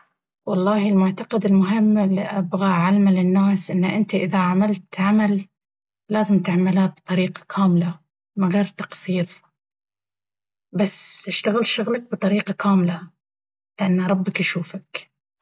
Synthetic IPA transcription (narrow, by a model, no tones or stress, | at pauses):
wɑlˤːɑːhɪlmʊʕt̪ɑqɑd̪ɪlmʊɦɪmːlːiʔa̰bɣaʕalmalɪnːaːsʔɪnːaʔɪnt̪iʔɪðaʕamalt̪ʕamalː | aːzɪmt̪ɪʕmalhabt̪ˤɑɾiːqḁkʰaːmla | maɣeɾˤt̪ɑ̥qsˤiːɾ | basːɪʃt̪aɣɪlʃʊɣlak̚bɨt̪ˤɑɾiːqɑkʰaːmla | lɪʔanːɾˤɑbːakaʃuːfak